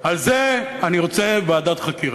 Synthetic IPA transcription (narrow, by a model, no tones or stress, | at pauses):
alzeaniʁo̞t͡sebead̪at̪χakiʁ